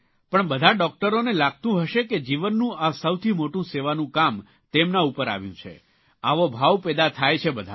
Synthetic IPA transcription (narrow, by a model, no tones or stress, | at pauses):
pəɳbəd̪ʱaɖɔk̚ʈəɾonelaɡ̚t̪ũɦəʃeked͡ʒiʋənːũasəwt̪ʰimoʈũseʋanũkam | t̪emnaupəɾa̰ʋjṵ̃t͡ʃʰḛ | aʋobʱaʋpɛd̪at̪ʰajt͡ʃʰebəd̪ʱa̰